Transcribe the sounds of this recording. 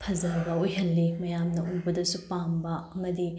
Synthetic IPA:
pʰɐzɐɾɡɐojɦɐlːimɐjamnɐuŋbɐdɐsupambɐɐmɐdi

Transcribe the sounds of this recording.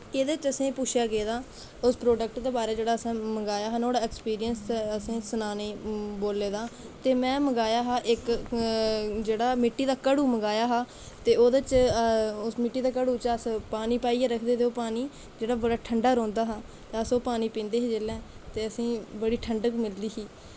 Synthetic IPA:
eːd̪et͡ʃəsĩːpʊʃʰjaːɡeːd̪aː | ʊspɾoːɖək̚ʈd̪eːbaːɾeːd͡ʒeːɽaːəsãːməɡaːjaːɦanoːɽaːɛːkspiːɾijənsəsĩːənaːneːboːleːd̪aː | t̪eːmɛ̃ːməɡaːjaːɦaːʔɪk | d͡ʒeːɽaːmɪʈːiːd̪aːkəɽuːməɡaːjaːɦaː | t̪eːoːd̪ət͡ʃ | ʊsmɪʈːiːd̪aːkəɽuːt͡ʃəspaːniːpaːiːɛːɾəkʰd̪eːd̪eoːpaːniː | d͡ʒeːɽaːbəɽaːʈʰəɳɖaːɾõːnd̪aːɦaː | t̪əsoːpaːniːpĩːnd̪eːɦeːd͡ʒeːlɛ̃ː | t̪eːəsĩːbəɽiːʈʰəɳɖəkmɪld̪iːsiː

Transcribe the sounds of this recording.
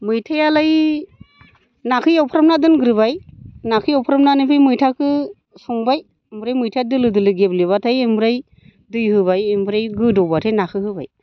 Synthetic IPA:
mɯjtʰajalaj | nakʰɯjawpʰɾamnadɯnɡɯɾɯbajnakʰɯjawpʰɾamnanɯpʰɯjmɯjtʰakʰɯ | sɔŋbaj | mbɾajmɯjtʰadɯlɯdɯlɯɡebliβatʰajembɾaj | dɯjhɯbajembɯɾajɡɯdɔbatʰajnakʰɯhɯba̰j

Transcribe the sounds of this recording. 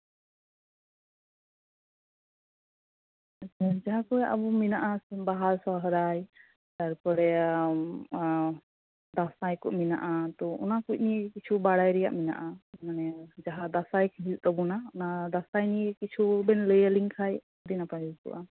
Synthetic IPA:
at͡ʃʰad͡ʒaɦakɔjaʔabuminaʔasɛbaɦaɾsɔɦɾaj | t̪aɾpɔɾɛ | d̪asajkɔʔmina̰ʔat̪ɔʔɔ̰nakuc̚nikit͡ʃʰubaɽajɾɛja̰ʔmina̰ʔaamanɛd͡ʒaɦad̪asajkʰɦilt̪ɔbɔnaɔnad̪asajnikit͡ʃʰubɛnləjəliŋkʰaj | ɔd̪inapaɦilkɔ̰ʔa

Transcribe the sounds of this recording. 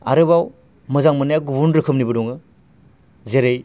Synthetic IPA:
a̰ɾɯbaw | mɯzaŋmɯnajaɡubunɾɯkʰɯmnibɯdɔŋɯ | zeɾej

